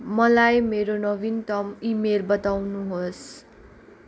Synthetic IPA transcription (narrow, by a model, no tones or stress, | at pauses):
mʌlajmeɾonʌbint̪ʌmimelbʌt̪awnuɦos